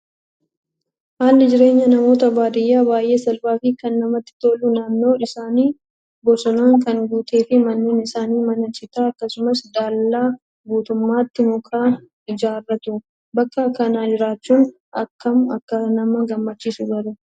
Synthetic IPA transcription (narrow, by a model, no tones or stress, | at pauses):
haːlːɪd͡ʒɪɾe̞ːɲːɐnɐmo̞ːt̪ɐbaːd̪ɪjːaːbaːjʔe̞ːsɐlbaːfɪkɐnːɐmɐt̪ːɪ̥t̪o̞ːlːʊnaːnːo̞ːᶑɪsaːniː | bɔsɔnaːŋkɐŋɡuːt̪e̞ːfɪmɐnːeːnɪsaːniːmɐnɐt͡ʃɪt̪aːɐkːɐsʊmɐsd̪aːlːaː | ɡuːt̪ʊmːaːt̪ːɪmɔkaː | ɪd͡ʒaːrːɐt̪ʊ | bɐkːɐkːɐnaːd͡ʒɪɾaːt͡ʃːuːn | ʔɐkːɐmɐkːɐnɐmɐɡɐmːɐt͡ʃːiːsʊɡɐɾʊ